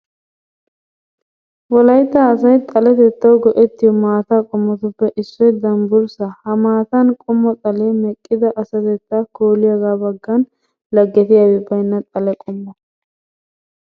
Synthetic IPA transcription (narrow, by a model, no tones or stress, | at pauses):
wɔlɐjt̪ːɐːsɐjt̪ʼɐlɛt̪ɛt̪ːɐwɡɔʔɛt̪ːɪjɔmaːt̪aːkʼɔmːɔt̪ʊpːɛʔɪsːɔjd̪ɐmbʊɾsɐhɐmaːt̪ɐnkʼɔmːɔt̪ʼɐleːmɛkʼːɪd̪ɐʔɐsɐt̪ɛt̪ːakoːlɪjɐɡaːbɐɡːɐn | lɐɡːɛt̪ɪjawɪbɐjnːɐt̪ʼɐlɛkʼɔmːɐ